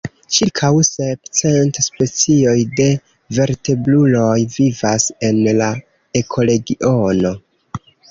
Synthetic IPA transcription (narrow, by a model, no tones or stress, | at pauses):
t͡ʃilkʰawse̞pt͡se̞ntspe̞t͡sio̞jde̞ | ve̞ɾte̞blulo̞jvivase̞nla | e̞kʰo̞le̞ɡiʔo̞no̞